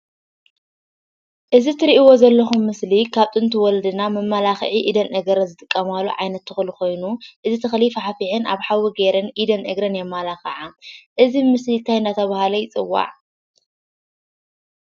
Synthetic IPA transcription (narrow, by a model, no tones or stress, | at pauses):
ʔɨzit̪ʰɨɾiʔiwo̞zɐlːɐxumːɨslikʰaβt̪ʼɨnt̪ʰuwɔlɐd̪ɨnamɐmːalaxʕiʔid̪ɐnʔɐɡɐɾɐzɨt̪ʼɨkʼːɐmalːo̰ʕajnɐt̪ːɨxɨlixo̞jnuʔɨzit̪ʰɨxlifaħafiʕɨnʔa̰βħawiɡeɾɐnʔid̪ɐnʔɐɡɾɐnjɛmːalaxɐʕaʔɨzimɨslit̪ʰajɨnd̪at̪ʰɐβahalɐjt͡sʼɨwːa̰ʕ